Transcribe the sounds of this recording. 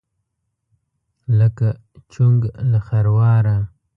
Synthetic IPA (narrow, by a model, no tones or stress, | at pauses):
ləka | t͡ʃuŋɡlaxaɾwɑːɾa